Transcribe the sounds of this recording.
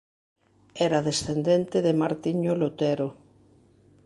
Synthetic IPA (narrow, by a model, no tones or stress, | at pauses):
ɛɾaðesθend̪ent̪eðemaɾt̪iɲolot̪ɛɾo